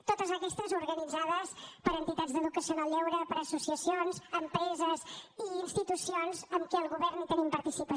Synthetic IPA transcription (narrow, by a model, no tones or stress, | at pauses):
t̪ot̪əzəkɛst̪əzuɾɣənid͡zaðəspəɾənt̪it̪add͡zzd̪əðukəsionalʎɛwɾəpəɾəsusiəsionzəmpɾɛzəziːnst̪it̪usionzəmkɛəlˠɣuβɛrnit̪ənimpəɾt̪isipə